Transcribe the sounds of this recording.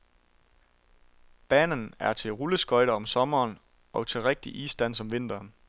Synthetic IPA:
b̥ɛːnənæɐt͡sʰe̝lʁuləsɡ̥ɒ̽ɪɾɐɒ̽msɒ̽mɐːn | ɒ̽t͡sʰe̝lʁeɡ̥̚d̥iʔisd̥æn̰sɒ̽mʋe̝n̰d̥ɐːn

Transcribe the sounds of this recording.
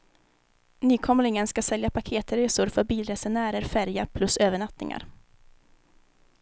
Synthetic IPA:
nyːkʰɔmlɪŋənskasɛljapʰakʰeːt̪ɾeːsʊɾfœɾbiːlɾɛsɛnæːɾəɾfæɾjapʰlɵsøːvəɳat̪nɪ̰ŋa̰ɾ

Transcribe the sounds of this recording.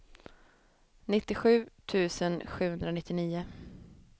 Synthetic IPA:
nɪt̪ːɪɧʉ̟ːt̪ʰʉ̟ːsənɧʉ̟ːhɵnd̪ɾanɪt̪ːɪniːʊ

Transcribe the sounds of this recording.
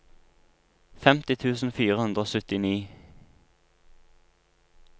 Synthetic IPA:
fɛmt̪ɪt̪ʰʉːsn̩fiːʁəhʉnd̪ʁoːsʉt̪ɪniː

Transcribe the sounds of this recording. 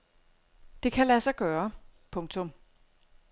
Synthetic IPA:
d̥e̝kʰælæsɑɪɡ̥ɶːɐpʰɔ̽ŋt͡sʰɔ̽m

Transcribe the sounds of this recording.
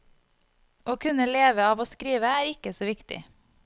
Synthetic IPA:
ʔoːkʰʉnəleːʋəɑːʋoːskɾiːʋəæːɾɪkəsoːʋɪkt̪ɪ̰

